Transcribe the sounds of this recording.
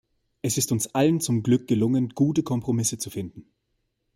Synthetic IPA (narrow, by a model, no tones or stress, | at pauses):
ʔɛsɪstʊnsʔalənt͡sʊmɡlʏk̚ɡ̥əlʊŋənɡ̥uːtəkʰɔmpʁ̥omɪsət͡sufɪndn̩